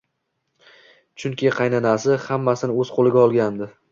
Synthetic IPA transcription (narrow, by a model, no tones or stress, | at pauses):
t͡ʃʰʊŋkʲɪqʰɑjnanasɪhamːasɪnɪɵz̥qʰolˠɪɡʲaɒlˠɡʲand̪ɪ